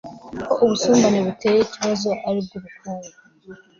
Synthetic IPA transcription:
koʔuβusuːmbaneβute̞jeiciβazo̞ʔaɾib̚ɡuβukuːŋa

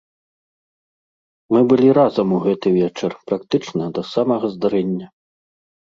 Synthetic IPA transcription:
mɨbɨlʲiɾazɐmuɣɛt̪ɨvʲɛt͡ʂɐrpɾak̚t̪ɨt͡ʂnɐd̪ɐsamɐɣɐzd̪aɾɛnʲːɐ

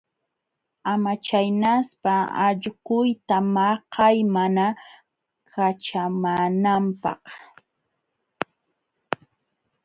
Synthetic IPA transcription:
amat͡ʃajnaspaɑ̰ʎɢʊjt̪amɑhɑjmana | kʰat͡ʃamaːnampɑ̰χ

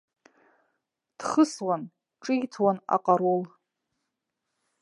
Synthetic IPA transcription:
d̥χəswan | ʈ͡ʂʼijtʰwana̰qʼaɾol

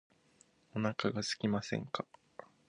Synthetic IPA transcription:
onakaɡasɨ̥kʲimasẽ̞̰ŋkḁ

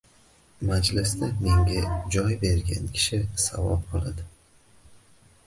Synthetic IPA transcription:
mad͡ʒlɪst̪ame̞ŋɡʲad͡ʒɒjbe̞ɾɡʲa̰nkʲʰɪ̥ʃɪsa̰vɒ̰p̚qʰɒlˠad̪ɪ

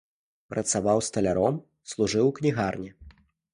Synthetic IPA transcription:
pɾʔɐ̰t̪savawst̪ɐlʲaɾɔm | slˠuʐɨwknʲiɣarnʲɛ

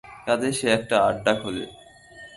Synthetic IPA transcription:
k̪ad̪eʃeɛk̚ʈaaɖːakɦolḛ

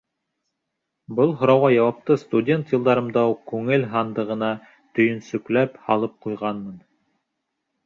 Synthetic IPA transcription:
bɤlˠɦŏɾɑwʁɑjɑwɑp̚t̪ɤst̪udʲe̞nt̪jɤ̆lˠd̪ɑɾɤ̆md̪ɑuqkʉŋɘlɦɑnd̪ɤ̆ʁɤ̆nɑ | t̪ɵ̆jɵ̆nsɵ̆klæphɑlˠɤp̚qujʁɑnmɤn

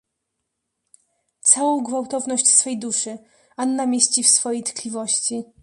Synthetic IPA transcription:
t̪sawɔ̃w̃ɡvawt̪ɔvnɔɕt͡ɕsfɛjd̪uʂɘ | anːamʲjeɕt͡ɕifsfɔjejt̪klʲivɔɕt͡ɕi

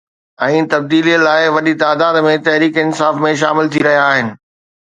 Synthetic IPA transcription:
ɛ̃ːt̪ɐb̚d̪iːliəlaːɪʋɐɗit̪aːd̪aːd̪mẽt̪ɐɦɾiːkɪnsaːfmẽʃ̬aːmɪlt̪ʰiɾɐɦijaːɦɪnɪ̆

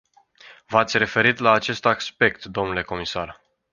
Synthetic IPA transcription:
vat̪sʲre̞fe̞ɾit̪laːt͡ʃe̞st̪akspe̞k̚t̪d̪o̞mnule̞ko̞misar

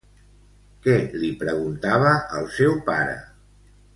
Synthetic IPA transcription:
kɛlipɾəɣ̞unt̪aβəʔəlˠsɛwpaɾə̰

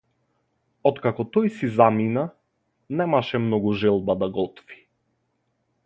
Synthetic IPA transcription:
ɔt̪kakɔt̪ɔjsizamina | nɛmaʃɛmnɔɡuʒɛlˠbad̪aɡɔt̪ɔ̥vi̥

